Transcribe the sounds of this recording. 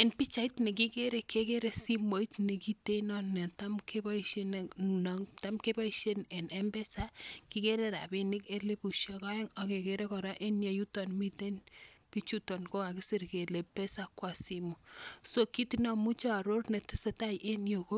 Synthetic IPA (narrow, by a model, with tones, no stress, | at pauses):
ɛ˨npi˦t͡ʃa˨˦i˦tnɛ˨k̬i˦ke˦ɾe˨kʰe˦ke˦ɾe˨si˦mo˨i˦tne˨ki˦te˦nɔ˦nɛ˨ta˦mkʰeba˦iʃe˦ne˨nɔta˦mke˦ba˦iʃe˦nɛ˨ne˦mbɛ˦sa˦ki˦ke˦ɾe˦ɾa̰˨be˦nɪ˦ke˦le˦bu˨ʃa˦ka˦e˦ŋɔ˨ke˨ke˨ɾe˦kɔ˨ɾa˦ʔe˦nje˨ju˦tɔnmi˦te˦npi˦t͡ʃu˦tɔ˨nko˦ka˨ki˦si˦rke˨le˨pe˦sa˨kwa˨simu˨so˨ki˦tinɔ˦mu˦t͡ʃa˦˨ɾo˦rne˨tɪ˦se˦ta˦jʔe˦njo˨ko˦